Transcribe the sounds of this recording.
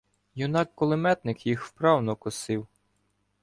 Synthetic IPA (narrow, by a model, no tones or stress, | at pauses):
jʊnɑkːɔlˠɪmɛt̪nɪkjixwpɾɑwnɔkʊsɪw